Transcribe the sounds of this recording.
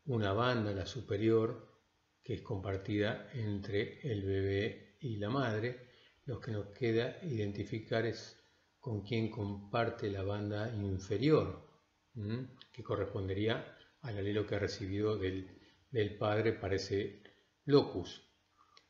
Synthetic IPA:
unaβ̞and̪alasupeɾjo̞ɾ | keesko̞mpaɾt̪iðaent̪ɾeːlβeβeilamað̞ɾe̞ | lo̞skeno̞hkʰeðaiðe̞nt̪ifikaɾes | ko̞ŋkje̞ŋko̞mpaɾt̪elaβand̪aiɱfe̞ɾjo̞ɾ | keko̞respo̞nd̪e̞ɾiaː | lalelo̞kearesiβiðo̞ðe | d̪elpaðɾepaɾese | lo̞kus

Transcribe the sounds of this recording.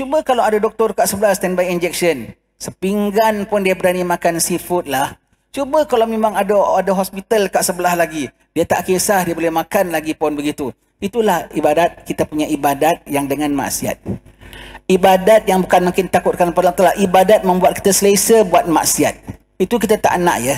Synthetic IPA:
t͡ʃubəkalawadadɔk̚t̪ɔrkaʔsəbəlahst̪ɛnbajind͡ʒɛk̚sən | səpiŋɡanpʊndiabəɾanimãkansifʊt̪̚lah | t͡ʃubəkalawmemãŋadaadaɦɔspit̪alkaʔsəbəlahlaɡi | d̥iat̪aʔkesahdiabolɛhmãkanlaɡipɔnbəɡit̪u | it̪ulahibadat̪̚kit̪apuɲaibadat̪̚jaŋdəŋanma̰ʔsia̰t̪̚ | ibadat̪̚jaŋbukanmãkɪnt̪akʊt̪̚kanpalaŋt̪əlaʔʔibadat̪̚mə̃mbuat̪̚ki̥t̪asəlesəbuat̪̚ma̰ʔsiat̪̚ | it̪ukit̪at̪a̰ʔna̰ʔjə

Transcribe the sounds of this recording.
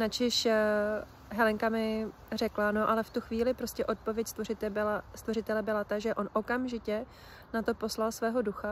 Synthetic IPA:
nat͡ʃɪʃ | ɦɛlɛŋkamɪ | rɛklano̞ʔalɛft̪uxviːlɪpɾo̞scʲɛʔo̞t̪̚povjɛcst̪vorɪt̪ɛbɪlast̪vo̞rɪt̪ɛlɛbɪlat̪aʒɛʔo̞nʔo̞kamʒɪcɛ | nat̪o̞po̞slalsvɛːɦo̞duxa

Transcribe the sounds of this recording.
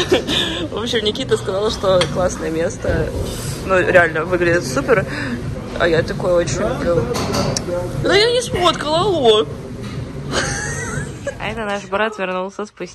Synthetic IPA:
vopɕːɪmnʲɪkʲit̪əskɐzalˠəʂt̪o̞klˠasnəjəmʲe̞st̪ə | nuɾʲɪalʲnəvɨɡlʲɪdʲɪt̪supʲɪr | ɐ̰jat̪ɐko̞jʊo̞t͡ɕɪnʲlʲʊblʲu | d̪əjanʲɪʂmot̪kəlˠɐlˠo | ɐ̰ɛt̪ənaʂbɾat̪vʲɪrnulˠsʲəspʊsʲ

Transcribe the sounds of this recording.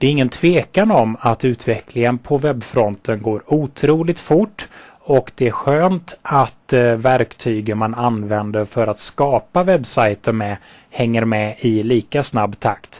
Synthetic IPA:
d̪ɛæɾɪŋːənt̪ʰv̥eːkanɔmat̪ʉ̟ːt̪ʰvɛklɪŋənpʰɔvɛbːfɾɔnt̪ʰənɡoːɾuːt̪ʰɾuːlɪɡt̪fʊʈː | ɔkd̪̥ɛæɾɧøːnt̪at̪væɾkt̪ʰyːɡəmananvɛnd̪əɾfœɾat̪skɑːpavɛbːsajt̪ənmɛ | hɛŋːəɾmɛɪliːkasnabːt̪ʰakt̪

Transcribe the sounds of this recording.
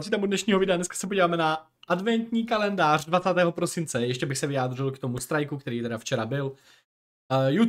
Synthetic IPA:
sit̪amudnɛʃɲiːɦovɪdɛadnɛskḁsɛpo̞ɟiːvaːmɛna | ʔadvɛnt̪ɲiːkalɛndaːr̝dvat͡saːt̪ɛːɦo̞pɾo̞sɪnt͡sɛjɛʃcɛbɪxsɛvɪaːd̪rɪlkt̪omust̪ɾajkukt̪ɛɾiːt̪ɛdaft͡ʃɛɾabɪl | ju

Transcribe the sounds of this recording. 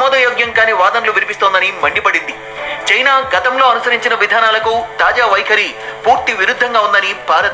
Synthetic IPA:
mɔːd̪ɐjoːɡjɐŋkaːneːʋaːd̪ɐnɐluʋinipist̪oːnd̪ɐnimɐɳɖipɐɽind̪i | t͡ʃɐjnaːɡɐt̪ɐmlo̞ːɐnusɐɾiɲt͡ʃinɐʋid̪ʱaːnaːlɐkut̪aːd͡ʒaːʋɐjkʰɐɾipuːɾt̪iʋiɾud̪ʱːɐŋɡaːund̪ɐnibʱaːɾɐt̪

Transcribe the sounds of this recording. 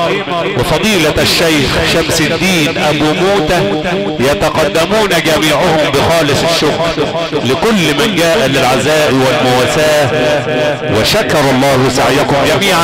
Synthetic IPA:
wɪfɑd̪ˤiːlaʃːajxʃamsɪd̪ːiːnʔabuːmuːt̪a | jat̪ɑqɑd̪ːamuːnaɡæmiːʕʊhʊmbɪxɑːlɪsˤɪʃːʊkɾ | lɪkʊlːmɪnɡaːʔalɪlʕazaːʔwalmʊwaːsaːh | wɪ̰ʃakɑɾˤɑlˤːɑːhwɪsa̰ʕjakʊmd͡ʒæmiːʕ

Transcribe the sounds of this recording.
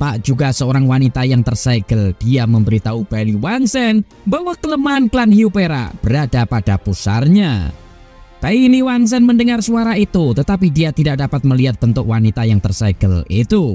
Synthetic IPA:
paʔd͡ʒuɡasəoɾaŋwanit̪ajaŋt̪ərsaɡ̥əld̥iaməmbəɾit̪aub̥aliwaŋsɛn | bawakələmaanklanhiupeɾa̰b̥əɾadapad̥apusa̰rɲa̰ | p̪ailiwaŋs̬ɛnməndəŋarsuaɾait̪ut̪ət̪apidiat̪idaʔ̚dapat̪̚məliɦat̪̚bənt̪ʊkwanit̪ajaŋt̪ərsaɡ̥əlit̪u

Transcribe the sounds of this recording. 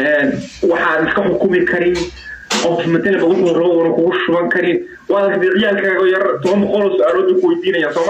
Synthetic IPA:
ʔɛːnwɑħɑnɪskʰɐħʊkʰʊmɪkʰɐɾɪnʔɔwt̪ʰɪmɐd̪ɛlɛbɐkʰʊwrɐβɔʊnɐkʰʊɣʊʃʊβɐŋkʰɐɾɪn | wɑːðɐkʰd̪ɪʕɪjaːlkʰaːɣɔːjɐrt̪ʰɔβɐmbɔqɔlɔːsʊaːlɔːd̪uːkʰʊwɐjd̪iːnɐjaːsɔːm

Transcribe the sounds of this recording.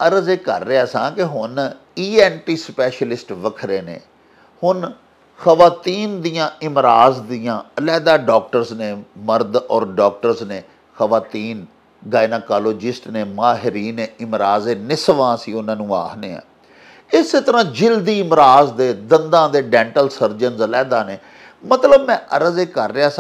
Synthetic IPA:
əɾəzeːkə̰ɾːeːɛːsã̰ːkɪɦʊniːɛːnʈiːspɛːʃəlɪsʈʋəkʰɾeːnḛ̃ː | hʊn | xəʋaːt̪iːnd̪ijãːɪmɾaːzd̪ijãːəlɛːd̪aːɖɔːk̚ʈəɾzneːməɾd̪ɔːɾɖɔːk̚ʈəɾzneː | xəʋaːt̪iːn | ɡaːɪnaːkaːloːd͡ʒɪsʈneːmaːɦɪɾiːneːɪmɾaːzeːnɪsʋãːəsĩːʊnãːnũːa̰ːɦneːɛ̰̃ː | ɪseːt̪əɾãːd͡ʒɪld̪iːɪmɾaːzd̪eːd̪ənd̪ãːd̪eːɖɛ̃ːɳʈəlsəɾd͡ʒənzəlɛːd̪aːneː | mət̪ləbmɛ̃ːʔəɾəzeːkəɾːeaːs

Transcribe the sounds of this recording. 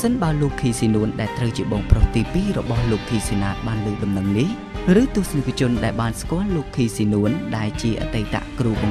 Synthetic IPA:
sənɓaəloːkʰːiːsiːnuənɗaɛlt̪rəwt͡ɕiəɓɑːŋproːht̪iːpiːrɔɓɑhloːkʰːiːsiːnaːt̪̚ɓaːnlɨːɗɑmnəŋnih | rɨːt̪ʊ̆əhsnakʰt͡ɕʊ̆ənɗaɛlɓaːnskŏəlːoːkʰːiːsiːnuənɗaɛlt͡ɕiəʔa̰ːt̪əjt̪a̰ʔkruːɓɑŋ

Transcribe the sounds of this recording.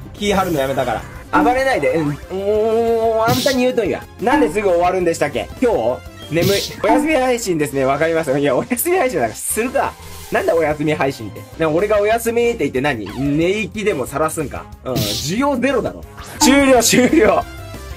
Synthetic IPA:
kʲiːɦaɾɯ̟nojame̞t̪akaɾa̰aβaɾe̞naid̪e̞ɯ̃ | ãnt̪aɲ̟iɯ̟ːt̪oiβa̰ | nãnd̪e̞s̬ɨɡɯ̟o̞βaɾɯ̟̃nd̪e̞ɕi̥t̪akːḛkʲo̞ː | ne̞mɯ̟io̞jasɨmʲihaiɕĩnd̪e̞sɨne̞β̞akaɾʲimas̬ɨɯ̃ijao̞jasɨmʲihaiɕĩnd̪akasɨɾɯ̟ka̰ | nãnd̪eo̞jasɨmʲiɦaiɕĩnt̪ːe̞não̞ɾe̞ɡao̞jasɨmʲit̪ːe̞it̪ːe̞naɲ̟ḭne̞ikʲid̪e̞mo̞saɾasɨ̃ŋka̰ | ɯ̟̃d͡ʑijo̞ːze̞ɾo̞d̪a̰ɾo̰t͡ɕɨːɾʲo̞ːt͡ɕɨːɾʲoː

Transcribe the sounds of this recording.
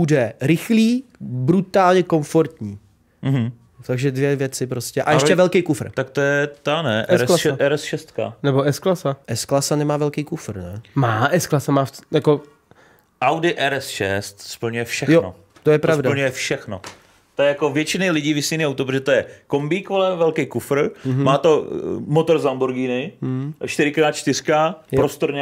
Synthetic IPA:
budɛɾɪxliːbɾut̪aːlɲɛko̞ɱfoɾt̪ɲiː | m̩ɦ̩ | t̪aɡʒɛdvjɛvjɛt͡sɪpɾoscɛʔajɛʃɛvɛlkejkufr̩t̪akt̪ojɛt̪anɛʔɛɾaʔɛɾɛsʃɛst̪ka̰nɛboɛsklasaʔɛsklasanɛmaːvɛlkejkufr̩nɛmaːʔɛsklasamaːfjako | ʔawdɪʔɛɾɛsʃɛst̪spl̩ɲujɛfʃɛjxono̰ | t̪ojɛpɾɾasvdapl̩ɲujɛfʃɛxno | t̪ojɛjakovjɛt͡ʃɪnɪlɪɟiːvɪsijniawt̪opɾoʒɛt̪ojɛkombiːkvolɛmvɛlkɛjkufɾ̩ɦmaːt̪o̞mot̪oɾzambuɾɡiːnɪʃt̪ɪɾɪkɾaːt̪t͡ʃt̪ɪɾ̥kajpɾost̪oɾɲa

